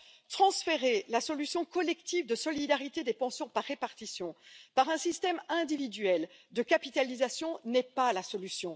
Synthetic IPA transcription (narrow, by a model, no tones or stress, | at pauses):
t̪χɑ̃sfeʁelasɔlysjɔ̃kɔlɛkt̪ivd̪əsɔlid̪aʁit̪ed̪epɑ̃sjɔ̃paʁːepaʁt̪isjɔ̃paʁɛ̃sist̪ɛmɛ̃d̪ivid̪ɥɛld̪əkapit̪alizasjɔ̃nɛpalasɔlysjɔ̃